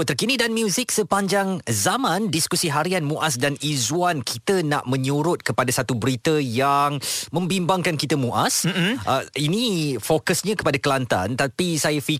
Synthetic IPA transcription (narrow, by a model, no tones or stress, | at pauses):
t̪ərkinidanmjuzik̚səpaɲd͡ʒaŋzamãndiskusiɦaɾianmũʔas̬danizuankʰit̪əna̰ʔmə̃ɲuɾʊt̪̚kəpadasat̪ubəɾit̪əjaŋmə̃mbimbaŋkankit̪əmũʔasʔəinĩfokəsɲãkə̥padakəlant̪a̰nt̪apisajafi